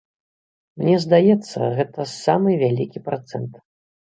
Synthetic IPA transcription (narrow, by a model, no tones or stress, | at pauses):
mnʲɛzd̪ajɛt̪sːɐ̰ɣɛt̪ɐsamɨvʲalʲikʲipɾat̪sɛnt̪